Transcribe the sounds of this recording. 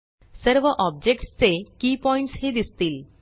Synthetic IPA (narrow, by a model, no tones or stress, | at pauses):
səɾʋəʔɔb̚d͡ʑek̚ʈst͡sekiːpɔĩɳʈshed̪ist̪iːl